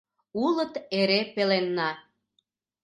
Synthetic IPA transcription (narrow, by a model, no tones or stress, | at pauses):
ulət̪eɾepelenːɑ